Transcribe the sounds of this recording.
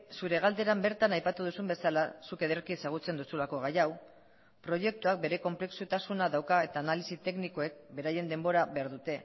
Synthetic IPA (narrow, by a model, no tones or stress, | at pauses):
suɾe̞ɣ̞ald̪e̞ɾambe̞ɾt̪anajpat̪uðusumbe̞salasuke̞ðeɾkisaɣ̞ut͡se̞nd̪usulako̞ɣ̞ajaw | pɾo̞ʝe̞k̚t̪uak̚be̞ɾe̞ko̞mple̞ksut̪asunaðawkae̞t̪aːnalisit̪e̞kniko̞e̞k̚be̞ɾaje̞nd̪e̞mbo̞ɾaβe̞aɾðut̪e̞